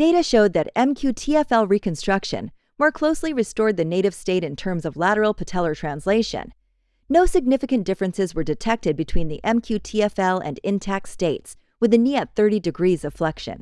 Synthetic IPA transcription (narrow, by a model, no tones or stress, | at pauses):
d̥eɪɾɨʃoʊd̪̚ðɨɾɛ̃mkʰj̥ʉtʰiɛfɛlˠɹikɨ̃n̩stɹ̥ʌkʃɨ̰̃n | mɔɹkʰl̥oʊsliɹɨstɔɹd̪̚ðɨneɪɾɨv̥steɪɾɨ̃ntʰɜ̃˞mzʌvlæɾə˞l̩ˠpʰɨtʰɛlˠə˞tʰɹ̥æ̃nsleɪʃɨ̰̃nː | oʊsɨɡ̚nɪfɨkɨ̃nd̥ɪfɹɨ̃nsɨzwə˞dɨtʰɛk̚tɨd̚bɨtʰw̥ĩnðiʔɛ̃mkʰj̥ʉtʰiɛfɛlˠɨ̰̃nɪ̃ntʰæk̚steɪts | wɨðɨniɨt̪̚θɜ˞ɾidɨɡɹizʌv̥flɛkʃɨ̰̃n